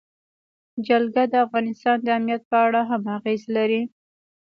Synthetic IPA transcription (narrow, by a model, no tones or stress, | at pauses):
d͡ʒalɡad̪əafɣɑnɪst̪ɑnd̪əamnijat̪̚pəaɽaɦamaɣezlaɾi